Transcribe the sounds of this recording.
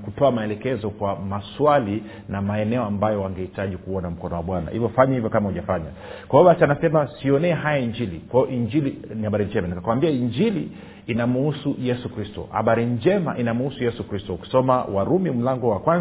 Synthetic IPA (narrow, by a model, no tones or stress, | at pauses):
kutɔamaɛlɛkɛzɔkwamaswali | namaɛnɛɔambajɔwaŋɡahitaʄikuɔnam̩kɔnɔwaɓwana̰hḭvjɔfaɲɛhivjɔkamauʄafaɲa̰ | kwaɔɓat͡ʃanasɛmasiɔnɛɛɦajaiɲd͡ʒilikwajɔʔiɲd͡ʒilinihaɓaɾiɲd͡ʒɛmanikakwambiaiɲd͡ʒiliː | namuusujɛsukɾistɔ̰ha̰ɓaɾiɲd͡ʒɛma̰ʔinamuusujɛsukɾistɔuki̥sɔmawaɾumim̩laŋɡɔwakwan